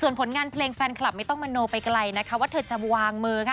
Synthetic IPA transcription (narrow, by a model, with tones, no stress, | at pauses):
su˨˩ənpʰo˩˦nŋaː˧npʰleː˧ŋfɛː˧nkʰala˨˩p̚ma˥˩jt̪ɔ˥˩ŋma˧noː˧pa˧jkla˧jna˦˥kʰa˦˥waː˥˩t̪ʰɤː˨˩t̪̚t͡ɕa˨˩˧waː˧ŋmɯː˧kʰa˧˥˩